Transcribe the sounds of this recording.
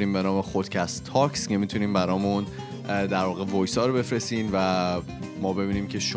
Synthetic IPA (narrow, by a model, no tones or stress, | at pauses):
ɾiːmbe̞nɒːme̞xod̪̥cʰæst̪ʰːɒːksce̞mit̪ʰuniːmbæɾɒːmun | d̪æɾvɒːɣe̞vojsɒːɾobe̞fɾesiːnvæ | mɒːbe̞biːniːmcʰe̞ʃ